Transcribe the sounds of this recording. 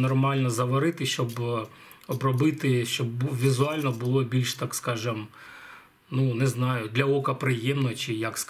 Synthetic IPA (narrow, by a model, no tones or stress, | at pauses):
nɔrmɑlʲnɔzɐʋɐɾɪt̪ɪʃt͡ʃɔb | ɔbrɔbɪt̪ɪʃt͡ʃɔbʋʲizʊɑlʲnɔbʊlˠɔbʲilʲʃt̪ɑkskɑʒɐm | nunɛznɑjʊd̪lʲɐɔkɐpɾɪjɛmnɔt͡ʃɪjɐks